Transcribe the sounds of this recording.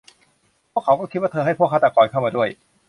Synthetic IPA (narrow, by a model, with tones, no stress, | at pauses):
pʰu˥əkʰːa˦wkɔː˥˩kʰi˦˥wa˥˩ɤː˧ɦa˥˩pʰu˥˩ək̚ʰːa˥˩a˧˩kɔː˨˧˩nkʰa˥˩wmaː˧du˥˩əj